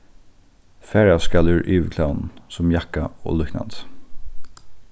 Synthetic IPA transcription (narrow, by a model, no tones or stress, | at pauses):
fɛːɹavskalɪɹʔiːʋkʰlawnnsʊmjakaɔ̰ːlʏkna̰nt̪